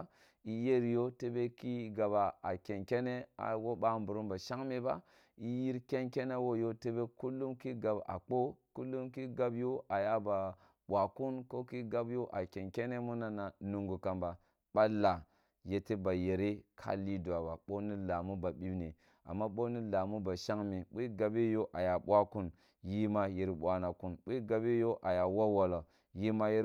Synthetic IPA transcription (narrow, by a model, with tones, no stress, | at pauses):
i˦je˦ɾi˨jo˦te˦be˦ki˦ɡa˨ba˨a˨kʲe˨nkʲe˦ne˦a̰˨wo˦ɓa˦˨mbu˨ɾu˦mba˨ʃa˦ŋme˨ba̰˦ | i˦ji˦ɾkʲe˦nkʲe˦ne˦wo˦jo˦te˦be˦ku˦lːu˦mki˦ɡa˨ba̰˨k͡po˦ku˦lːu˦mki˦ɡa˦bjo˦ʔa˨ja˦ba˨ | wa˨ku˦nko˦ki˦ɡa˦bjo˦ʔa˨kʲe˨nkʲe˦ne˦mu˦na˦na˨nu˨ŋɡu˨ka˨mba˨ | ɓ̥a˦la˨ | je˨te˦ba˨je˨ɾe˦kʰa̰˦li˦du˨a˨ba˨ɓo˦ni˦la˨mu˦ba˨ɓi˦bni˨ | a̰˨mːa˦ɓo˦ni˦la˨mu˦ba˨ʃa˦ŋmi˨ɓi˦ɡa˨be˦jo˦ʔa˨ja˨ɓʷa˦ku˦n | ji˦ma˦ji˨ɾɓʷa˨na˨ku˦nɓi˦ɡa˨bi˦jo˦ʔa˨ja˨wa˦wa˨lo˨ | ji˦ma˦ji˦